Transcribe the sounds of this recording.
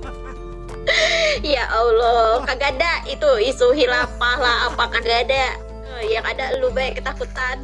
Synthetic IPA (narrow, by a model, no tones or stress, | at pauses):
jaʔaulokaɡadaʔit̪uisuɦilapahlahapakaɡada | əjaŋadalubaɛkːət̪akut̪an